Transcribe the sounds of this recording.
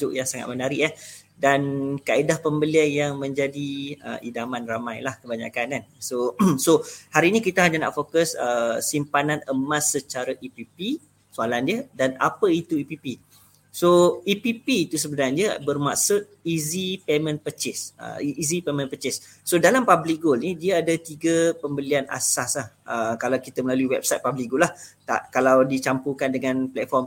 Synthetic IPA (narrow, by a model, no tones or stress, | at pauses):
ʊʔjaŋsaŋa̰t̪̚mənaɾiʔah | dankaidahpəmbəlianjaŋmə̃ɲd͡ʒadiə̰ḭdamanramajlahkəbaɲa̰kanansosohaɾiːnĩkit̪aɦaɲana̰ʔfokəsəsimpananəmãsːət͡ʃaɾəʔipipi | soalandiədana̰pəit̪uipipi | soipipiːt̪us̬əbənardiəbərmaʔsʊt̪̚izipemə̃npət͡ʃɪsə̰iʔːzipemə̃npət͡ʃɪsː | odalampablik̚ɡolnidiaadət̪iɡəpəmbəliana̰saslahʔəkalawkit̪əməlaluiwɛp̚sajt̪̚pablik̚ɡʊlaht̪a̰ʔkalawdit͡ʃampukandəŋanplɛt̪̚fɔrm